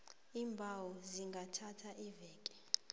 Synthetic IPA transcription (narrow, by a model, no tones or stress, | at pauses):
iːmbʱawɔziŋɡʱatʰatʰaʔivɛːkʼɛ̥